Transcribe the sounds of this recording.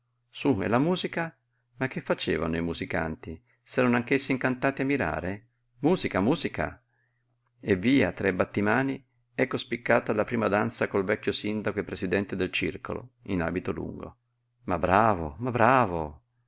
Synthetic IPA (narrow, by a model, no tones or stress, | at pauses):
suɛ̰lamuːzika | mak̟ːefːat͡ʃeːva̰noimuzika̰nt̪i | sɛːɾanoaŋk̟esːiŋkant̪aːt̪iamːiɾa̰ːɾe | muːzikamuːzika̰ | evːiːat̪ɾɛbat̪ːimaːni | ɛkːospikːaːt̪alapɾiːmad̪ant̪sakolvɛkːjosind̪akoepɾezid̪ɛnt̪ed̪elt͡ʃḭrko̰lo̰ina̰ːbit̪olṵŋɡo̰ | mabːɾaːvomabɾaːvo